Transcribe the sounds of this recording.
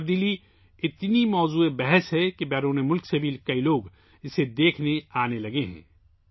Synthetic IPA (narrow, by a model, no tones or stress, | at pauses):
b̚d̪iːli | ɪt̪nimɔːzuːebɛɦɛsɦɛkibɛːɾoːnemʊlksebʱiːlkɐiloːɡ | ɪsed̪eːkʰneaːnelɐɡeɦɛ̰̃ː